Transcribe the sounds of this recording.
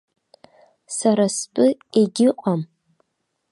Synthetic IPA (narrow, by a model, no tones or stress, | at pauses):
saɾast͡pʼɨeɡʲɪqʼam